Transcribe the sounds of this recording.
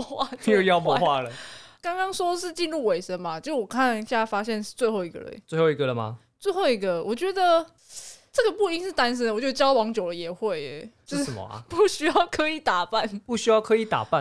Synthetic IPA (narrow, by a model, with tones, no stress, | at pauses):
xwa˥˧jo˥˧ʊjɑ˥˧ʊmɔ˧xwa˥˩lə˨˩kɑ˥ŋkɑ˥ŋswɔ˥d̪ə˧ʂ̬ɻ̩˥˧t͡ɕi˥˧nɻu˥˩we˨˩ɪʂə˧˦ŋma˨t͡ɕjʂwɔ˨˩kʰa˥˨ni˧˩ɕja˥˨fa˥ɕjɛ˥˧nʂɻ̩˥˧t͡swe˥˧ɪxo˥˩ʊi˧˥ɡə̰˧˩ə̰˨˩nt͡swe˥˧hxo˥˩i˧ɡə˨lə˩ma̰˨˩ | t͡swe˥˧ɪxo˥˩ʊi˧˥ɡə˨wʔɔ˨˩t͡ɕɥɛ˨˧˥d̪ə˨ | ʈ͡ʂɤ˥˩ɡə˩pu˥˩i˥ŋʂɻ̩˥˩t̪a˦nʂ̬ə˦nd̪t͡ɕjo˥˩˧t͡ɕjɑ˥ʊwɑ˧˥ŋt͡ɕjo˨˩ʊlə˦jɛ˨˩xwe˥˩ɪ˩ʂ̩˥ʂə˨˩mɐ̰˨˦ɐ̰˨˩pu˥˩ɕy˥jɑ˥˩ʊkʰɤ˧˦˥i˨˩t̪a˨˩pa˥˨npu˥˧˩ɕy˥jɑ˥˩ʊkʰɤ˧˦˥i˨˩˦t̪a̰˨˩pa˥˨